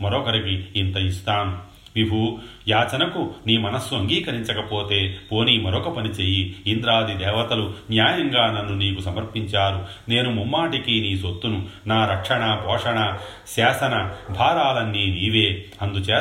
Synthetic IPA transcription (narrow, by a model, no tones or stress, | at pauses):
mɐɾɔkɐɾikiːnt̪ɐist̪aːm | ʋibʱu | jaːt͡ʃɐnɐkuniːmɐnɐsːɐŋɡiːkɐɾiɲt͡ʃɐkɐpo̞ːt̪e̞ːpo̞ːnimɐɾɔkɐpɐnit͡ʃeːjiːnd̪ɾaːd̪id̪ɛːʋɐt̪ɐlunjaːjɐŋɡaːnɐnːuniːkusɐmɐɾpiɲt͡ʃaːɾu | ne̞ːnumumːaːʈikiniːsot̪ːununaːɾɐkʂɐɳɐbʱɔːʂɐɳɐ | sɛːsɐnɐbʱaːɾaːlɐnːiːniːʋeːɐnd̪ut͡ʃeː